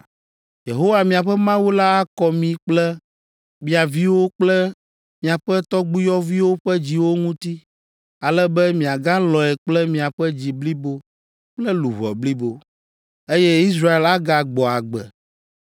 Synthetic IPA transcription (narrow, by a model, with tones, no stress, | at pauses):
je˨ɦo˦wa˨mĩ˨a˨ɸɛ˦mã˦wu˦la˦a˦kɔ˨mĩ˨k͡plɛ˦ | mĩ˨a˨vi˦wo˦k͡plɛ˦ | mĩ˨a˨ɸɛ˦t̪ɔ˦ɡ͡bu˦jɔ˦vi˦wo˦ɸɛ˦d͡ʑi˨wo˦ŋũ˦t̪i˦ | a˨lɛ˦bɛ˦mĩ˨a˨ɡa˦lɔ˨ɛ˨k͡plɛ˦mĩ˨a˨ɸɛ˦d͡ʑi˨bli˦bo˦ | k͡plɛ˦lu˨βɔ̰˨bli˦bo˨ | e˦jɛ˦i˦s̬ɾa˦e˨la˦ɡa˨ɡ͡bɔ˨a˨ɡ͡bɛ̰˨